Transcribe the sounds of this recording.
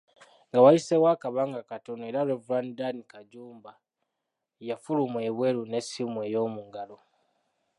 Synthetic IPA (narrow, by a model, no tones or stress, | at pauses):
ŋɡawajisewaːkaβaŋɡakatonoe̞ɾaɾevɾandanikaɟuːmba | jafulumwe̞βwe̞lune̞simwe̞ːjo̞ːmuŋɡalo